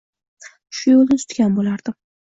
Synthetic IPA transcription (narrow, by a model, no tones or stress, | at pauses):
ʃʊjolˠnɪsʊ̥t̪ɡʲanbolaɾd̪̥ɪ